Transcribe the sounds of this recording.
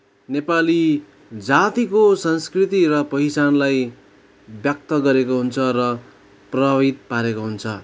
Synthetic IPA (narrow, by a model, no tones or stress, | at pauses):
nepali | d͡zat̪ikosʌnskrit̪iɾʌpʌɦit͡sanlaj | bjʌk̚t̪ʌɡʌɾekoɦunt͡sʰʌrʌ | prʌbʱabit̪̚paɾekoɦunt͡sʰʌ